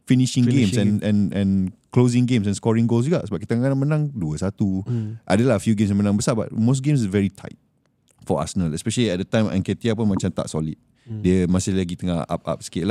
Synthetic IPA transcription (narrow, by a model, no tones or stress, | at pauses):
finiʃɪ̃ŋɡẽmsɛ̃nɛ̃nʔɛ̃nklozɪ̃ŋɡẽms̬ɛ̃nskɔɹĩŋɡols̬juɡaʔsəbapkit̪əŋakənaʔmənãŋduəsat̪uʔa̰dəlafjuɡẽmsmənãŋbəsaba̰t̚mos̬ɡẽms̬vɛɹitʰa̰ɪt̚ | fɔa̰sənə̃lɛspɛʃəliɛt̚dət̪ãj̃mʔɛ̰̃nkɛt̪iapunmãt͡ʃamt̪a̰ʔsɔlit̚ | diəmasɪhlaɡit̪əŋaha̰p̚a̰p̚skeʔla